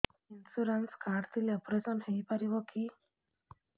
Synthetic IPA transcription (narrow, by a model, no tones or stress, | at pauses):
insuɾɐnskaːɾt̪ilepuɾesɐnheːpɐɾiʋokʰi